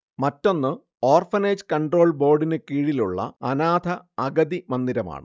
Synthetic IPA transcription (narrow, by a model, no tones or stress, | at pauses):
mɐtːo̞nːɨ | oːrfɐneːd͡ʑkɐɳɖro̞ːɭbo̞ːrɖinɨkiːɻiluɭːɐ̰ɐnaːd̪ʱʰɐɐɡɐðimɐnd̪iɾɐma̰ːɳɨ̰